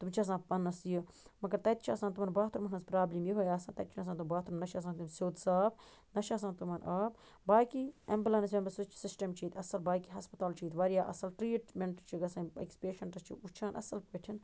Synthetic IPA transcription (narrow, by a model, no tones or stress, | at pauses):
t̪umt͡ʃʰɐs̬ãːpɐnːɐsiju | mɐɡɐɾt̪ɐt̪it͡ʃʰɐsãːnt̪umɐnbaːt̪ɾmɐnnɐzpɾaːblimjiɦojaːsãːnt̪ɐt̪̚ʲt͡ʃʰunɐs̬ãːt̪umbaːt̪ʰɾumnɐʃaːs̬ãːnt̪umsʲoːt̪saːbnɐʃaːs̬ãːnt̪umɐnʔaːp̚ | baːjkiɐmblɐnɐs̬ʋʲembɐsut͡ʃʰsɪsʈɐmt͡ʃʰiːt̪ʰɐsɐlbaːjkiɦɐspɐt̪aːlt͡ʃʰiːt̪ʋɐɾjaːʔɐ̰sɐlʈɾiːʈmeɳʈt͡ʃʰiɡɐsãːḛkspeːʃɐɳʈɐst͡ʃʰḭut͡ʃʰaːnʔɐ̰sɐlpɐʈʰin